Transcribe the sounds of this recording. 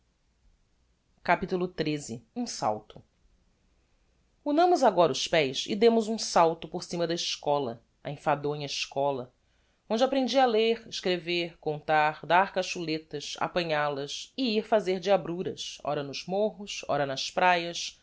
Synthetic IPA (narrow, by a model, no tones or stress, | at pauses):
kapit̪ulʊt̪ɾezɪũsa̰wt̪ʊ̥ | unɐ̃mʊzaɡɔɾɐʊʃpɛjsɪ̰d̪ẽmʊzũsawt̪ʊpoɾsĩmɐd̪ɐɪʃkɔlɐ | a̰ẽfad̪õɲɐɪʃkɔlɐ | õnd͡ʒɪapɾẽnd͡ʒiɐleɾɪʃkɾeveɾkõnt̪aɾd̪aɾkaʃulet̪ɐʃa̰pɐ̃ɲalɐsɪiɾfazeɾd͡ʒɪabɾuɾɐ̰sɔ̰ɾɐnʊzmoɦʊsɔ̰ɾɐnɐspɾajɐs